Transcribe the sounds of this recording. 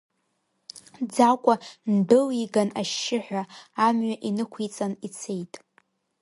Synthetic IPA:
d͡zakʷʼandɨliɡanaʃːɪħᶣʷaːmɥaʔinɨkʷʰit͡sʼanit͡sʰe̞jtʼ

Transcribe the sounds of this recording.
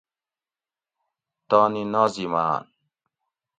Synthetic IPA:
t̪ɔːninɔːzima̰ːn

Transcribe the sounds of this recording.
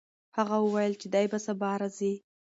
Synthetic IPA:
haɣawəwajəlt͡ʃed̪ajbasabɑɾazi

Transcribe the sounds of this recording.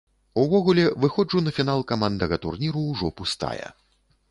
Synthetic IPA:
uvɔɣulʲɛvɨxɔd͡ʐunɐfʲinalˠkamand̪ɐɣɐt̪urnʲiɾuːʐɔpust̪a̰jɛ̰

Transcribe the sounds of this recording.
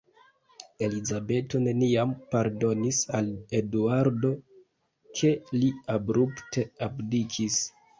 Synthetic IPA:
e̞lizabe̞to̞ne̞niampaɾdo̞nisale̞duaɾdo̞ | kʰe̞liabɾupte̞abdikʰis

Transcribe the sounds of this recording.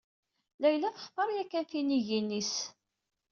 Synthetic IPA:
læjlæθə̥χfɑɾˤjækːænθiniʝinːis

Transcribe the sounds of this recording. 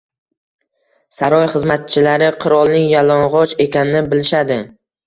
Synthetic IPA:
saɾɒjχɨzmat̪̚t͡ʃʰɪlaɾɪqʰʊɾɒlˠnɪŋjalɒnʁɒt͡ʃe̞kʲanɪnɪbɪlɪʃad̪ɪ

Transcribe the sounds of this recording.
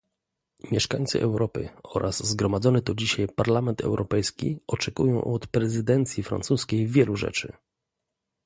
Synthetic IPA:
mʲjɛʂkaɲʲt̪sɨ̰ʔɛ̰wɾɔpɘ̰ɔ̰ɾʔaszɡɾɔmad̪zɔnɛt̪ɔd͡ʑiɕajpaɾlamɛnt̪ʰɛ̰wɾʔɔpɛjskʲḭɔt͡ʂɛkṵjɔ̃w̃ʔɔt̪pɾɛzɘd̪ɛnt̪sʲjifɾa̰ntsuskʲejvʲjɛluʐɛ̰t͡ʂɘ

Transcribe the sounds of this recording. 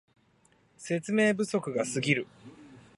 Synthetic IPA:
se̞t͡sɨme̞ːbɯ̟so̞kɯ̟ɡasɨɡʲiɾɯ̟

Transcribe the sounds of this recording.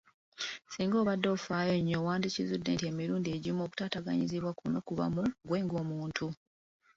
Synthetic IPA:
siːŋɡo̞ːβadːofaːjoɲːowaːndicizudːe̞̰ːntie̞ːmiɾuːndieːɟimo̞ːku̥taːtaɡa̰ɲiziβwakuno̞kuβa̰muɡwe̞ːŋɡoːmuːntʰu

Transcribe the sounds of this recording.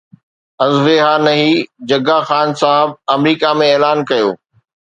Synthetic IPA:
ɐzʋeɦanɐɦid͡ʑɐɡaxaːnsaɦɪb̚ɐmɾiːkamẽeːlaːnkɐjo̰ː

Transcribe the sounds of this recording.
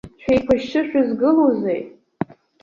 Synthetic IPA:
ʃʷᶣejkʷʰaʃt͡ʃʰɨʃᶣazɡɨlozej

